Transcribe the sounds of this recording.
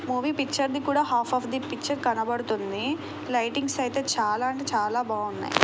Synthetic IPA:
muːʋiːpikt͡ʃɐɾnikuːɽaːɦaːpʰɐːfʰd̪ipikt͡ʃɐɾkɐnɐbɐɽut̪und̪i | lɐjʈiŋɡsɐjt̪e̞ːt͡ʃaːlaːɐɳʈeːt͡ʃaːlaːbaːunːa̰ːjḭ

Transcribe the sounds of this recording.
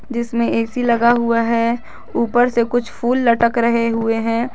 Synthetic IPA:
d͡ʒɪsmẽeːsilɐɡaɦʊaɦɛ | uːpəɾsekʊt͡ʃʰfʰuːlːɐʈəkɾɐɦeɦʊeɦɛ̃ː

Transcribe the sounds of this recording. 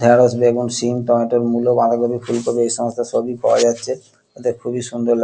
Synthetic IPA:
d̪ʱɛɾosbeɡunsimtɔmeʈoɾmulobãd̪abʱabifulkobeejʃɔmost̪ʰaʃobikɔ̰wa̰d͡ʑatːɕʰe | et̪ekʰubiʃund̪oɾla

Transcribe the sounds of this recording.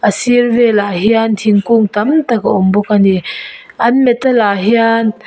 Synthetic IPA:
ʔəsirvɛlaɦiant̪ʰiŋkuŋt̪ɐmt̪akaʔumbukani | ʔɐnmɛt̪ːalaːɦian

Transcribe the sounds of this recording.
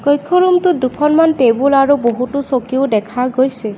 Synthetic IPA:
kɔjkʰːɔɹumtʊdukʰɔnmantebulaɹuboɦutusokiʊdɛkʰaɡojse

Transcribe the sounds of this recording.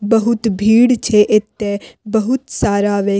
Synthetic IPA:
bɐɦʊt̪bʱiːɽt͡ʃʰeʔet̪ːebɐɦʊt̪saːɾaʋeː

